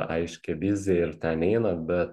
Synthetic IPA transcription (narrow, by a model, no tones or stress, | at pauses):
ɐɪʃʲkʲɛbʲɪzʲɛɪɾt̪ʲɛnɛɪnɐbʲɛt̪